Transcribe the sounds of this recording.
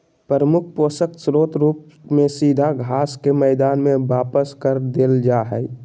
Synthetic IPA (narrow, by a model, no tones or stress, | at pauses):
pəɾəmʊkʰpoːsəksɾoːt̪ɾuːp | mẽsiːd̪ʱaɡʱaːskemɛːd̪aːnmẽʋaːpəskəɾd̪eːld͡ʒaːɦɛi